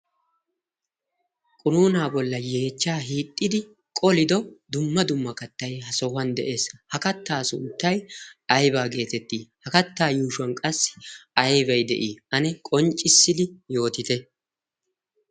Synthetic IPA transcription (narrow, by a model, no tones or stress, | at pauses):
kʼʊnuːnaːbɔlːɐje̞ːt͡ʃːaːɦiːt̪ʼːɪd̪ɪ | kʼɔlɪd̪ɔd̪ʊmːɐd̪ʊmːɐkɐt̪ːɐjɦɐsɔhɐnd̪ɛ̰ʔe̞ːshɐkɐt̪ːaːsʊ̰nt̪ːɐjɐjbaːɡe̞ːt̪ɛt̪ːiːhɐkɐt̪ːaːjuːʃʊɐnkʼɐsːɪ̥ɐjbɐjd̪ɛ̰ʔiːɐnɛkʼɔnt͡ʃʼːɪsːɪd̪ɪjo̞ːt̪ɪt̪ɛ